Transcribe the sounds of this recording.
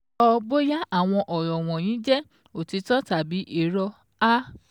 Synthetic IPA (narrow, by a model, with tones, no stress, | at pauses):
ɔ˧bo˦ja˦ʔa˦˨w̃ɔ̃˧ʔɔ˨jɔ˨w̃ɔ̃˨j̃ĩ˨˦d͡ʒɛ˦ | o˨ti˧˦tɔ˦ta˨bi˨˦ʔi˦˨ɾɔ˧ | a˦